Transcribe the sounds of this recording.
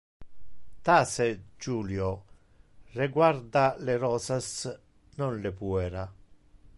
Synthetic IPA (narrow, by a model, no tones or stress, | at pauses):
t̪ased͡ʒuːljo | reɡwaɾd̪aleɾɔːsas | nonlepuɛɾa